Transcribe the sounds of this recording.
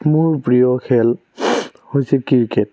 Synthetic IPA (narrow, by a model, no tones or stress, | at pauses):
mʊɹpɹijɔkʰɛl | hojsɛkiɹkɛt̚